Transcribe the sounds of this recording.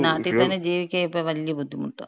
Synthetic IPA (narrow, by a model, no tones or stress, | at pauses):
naːʈːit̪ɐnːed͡ʑiːʋikʲːaːjipːoʋɐlːijɐbʱud̪ʱːimuʈːo̰